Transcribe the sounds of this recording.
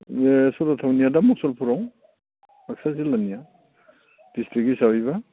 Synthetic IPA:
esɔdatʰawnijadamuk̚sɔlpʰuɾaw | aksazilanija | d̥istʰiɡisawiβa

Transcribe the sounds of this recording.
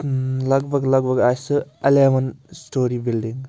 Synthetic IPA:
lɐk̚bɐklɐɡ̚bɐkajsɯɐleɐmɐnstoɾibildiŋ

